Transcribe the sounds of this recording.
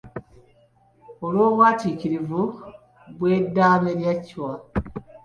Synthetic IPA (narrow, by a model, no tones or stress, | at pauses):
olwo̞ːβwaːtiːciɾivu | βwe̞ːdːaːme̞ɾjacwa